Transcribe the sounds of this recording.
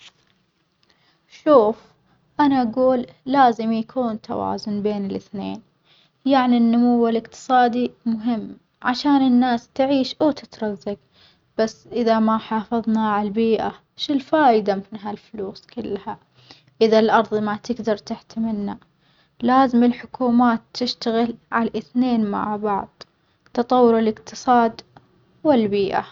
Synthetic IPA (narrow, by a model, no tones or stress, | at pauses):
ʃuːf | ʔanaʔaɡuːlːaːzɪmjakʰuːnt̪a̰wa̰ːzʊnbeːnɪlɪθnḛːn | jaʕninːʊmʊwalʔɪqt̪ɨ̥sˤɑːd̪imʊɦɪmː | ʕaʃaːnɪnːaːst̪ʕiːʃʔat̪ɪt̪ɾˤɑzːaɡ | b̥asːʔɪðamaħɑːfɑðˤnaʕalbiːʔa | ʃɪlfaːʔɪd̪amɪnɦalfluːskɪlːha | ʔɪðalʔɑɾˤðˤmat̪ɪɡd̪ɑɾˤt̪ɪħt̪amɪnːa | laːzɪmɪlħʊkuːmaːt̪ːɪʃt̪aɣɪlʕalaʔɪθneːnma̰ʕbɑʕðˤ | t̪ɑt̪ˤɑwːʊɾɪlɪqt̪ɨ̥sˤɑːd̪ | wɪlbiːʔa̰